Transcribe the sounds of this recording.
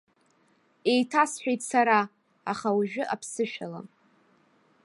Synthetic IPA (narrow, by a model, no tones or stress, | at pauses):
e̞jtʰasħʷᶣejtʼsaɾa | aχauʒᶣʊʔapʰsɨʃᶣala̰m